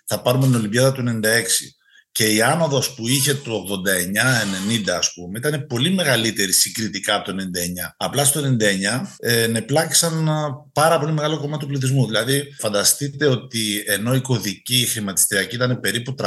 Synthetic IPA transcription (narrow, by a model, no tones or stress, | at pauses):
θɐpɐɾumet̪ino̞limbʝɐðɐt̪ue̞ne̞nind̪ɐe̞ksḭ | ce̞iɐnɐðospuiçe̞t̪uoɣðo̞nd̪ɐe̞ɲɐe̞ne̞nind̪ɐːspumeit̪ɐne̞po̞lime̞ɣɐlit̪e̞ɾisiŋɡɾit̪ikɐɐpot̪onenind̪ɐeɲɐɐplɐst̪o̞enenind̪ɐeɲɐene̞plɐki̥sɐnpɐɾɐpo̞lime̞ɣɐlo̞ko̞mɐt̪upliθizmuðilɐðifɐnd̪ɐst̪it̪e̞o̞t̪ie̞no̞iko̞ðicixɾimɐt̪i̥st̪iɾiɐciit̪ɐnepe̞ɾiput̪ɾ